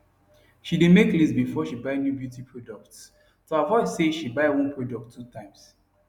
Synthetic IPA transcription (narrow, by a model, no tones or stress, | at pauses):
ʃidemeklisbifɔʃibaɪnjubjutipʰɹɔdɔk̚ts | toavɔɪdseʃibaɪwɔ̃npʰɹɔdɔk̚tʰːutãɪ̃ms